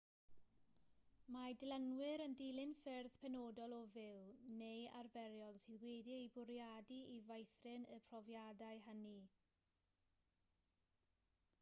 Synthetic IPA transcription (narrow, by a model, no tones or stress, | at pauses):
madlənwɪɾəndiːlˠɪnfɪrðpʰɛnoːdɔlˠɔvɪlneja̰rvɛɾjɔlˠsiːðwediejbʊɾjadiivajθrɪnəpʰrɔvjadajɦəni